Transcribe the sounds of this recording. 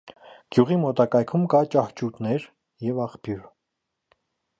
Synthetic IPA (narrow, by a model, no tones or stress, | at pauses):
ɡ̥juʁimɔt̪ɑkɑjkʰumkɑt͡ʃɑht͡ʃut̪nɛɾ | jɛvɑχpjuɾ